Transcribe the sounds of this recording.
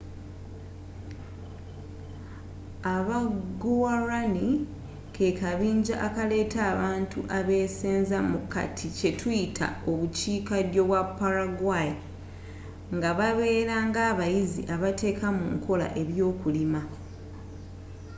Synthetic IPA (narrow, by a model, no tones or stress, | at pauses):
aβaɡowaɾani | kʰekaβiːɲɟaʔːkale̞ːtaːβaːntuʔaβe̞ːseːnzamuka̰tʰice̞tujitʰa̰o̞βuciːkadjo̞βwapːaɾaɡwaji | ŋɡaβaβe̞ːɾaŋɡaːβajizḭʔaβate̞ːkamṵŋkʰo̞la̰ʔe̞βjo̞ːkulima